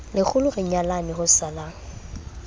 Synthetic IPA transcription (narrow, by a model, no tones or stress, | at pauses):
lɪk͡xʰʊlʊrɪɲalanɪhʊsalaːŋ̩